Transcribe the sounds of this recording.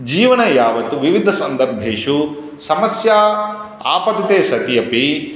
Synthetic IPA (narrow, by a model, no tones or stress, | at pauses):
d͡ʒiːʋɐnɐjaːʋɐt̪uʋiʋid̪ʱɐsɐnd̪ɐɾbʱeːʃu | sɐmɐsjaː | a̰ːpɐt̪it̪eːsɐt̪ijɐpi